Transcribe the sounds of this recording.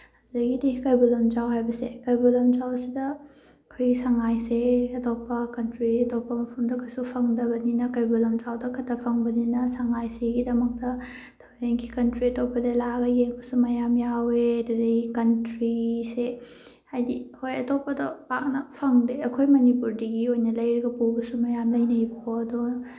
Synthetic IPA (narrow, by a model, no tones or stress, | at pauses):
hazɐɡideikajbulɐmd͡ʒawɦajbɐsekɐjbulɐmt͡ʃawsidɐɐkʰojɡisaŋajseɐtopːɐkɐntɾiiɐtopːɐmɐpʰɐmdɐkʰojsupʰɐŋdɐbɐninɐkɐjbulɐmd͡ʒawdɐkʰɐtʰːɐpʰɐŋbɐninɐsaŋajseɡidɐmɐk̚tɐ | tʰɐweŋkikɐntɾiɐtopːɐdɐlaɡɐjeŋbɐsumɐjamjaweɐdudɐɡikɐntɾise | hajdihojɐtopːɐdopak̚nɐpʰɐŋdeɐkʰojmɐnipuɾdiɡiojnɐlɐjɾiɡɐpubɐsumɐjamlɐjnɐiboɐdo